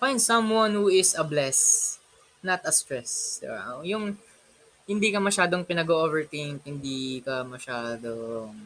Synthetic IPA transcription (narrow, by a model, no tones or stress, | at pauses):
fãj̃nd̪sɐ̃mwɐ̃nhuɪsɐblɛs | nɐt̪ɐst̪ɹɛsɛ̰ɹa̰jʊŋ | hɪnd̪iːkɐmɐʃaːd̪oŋpɪnɐɡoːʔovɛɹt̪ɪŋk̚hɪnd̪iːkɐmɐʃaːd̪oŋ